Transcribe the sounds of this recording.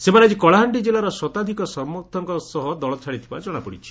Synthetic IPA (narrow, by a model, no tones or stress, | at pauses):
semaɾad͡ʒikɔɭaɦaɳɖid͡ʒelaɾɔsɔt̪ad̪ʱikɔsɔɾmɔt̪ʰːɔŋkɔsɔɦɔd̪ɔɭɔt͡ʃʰaɽit̪ʰibad͡ʒɔɽ̃apɔɽit͡ʃʰi̥